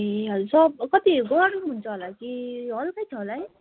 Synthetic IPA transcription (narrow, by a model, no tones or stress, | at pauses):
ɦʌɾusʌb̚kʌt̪iɡɔɽuɦunt͡sʰʌɦolakiɦʌlkʌjt͡sʰʌɦolai